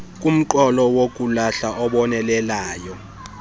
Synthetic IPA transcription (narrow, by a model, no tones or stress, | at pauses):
k̬ʼum̩ǃɔlɔwok̬ʼulaɬaʔɔɓɔnɛlɛlaːjɔ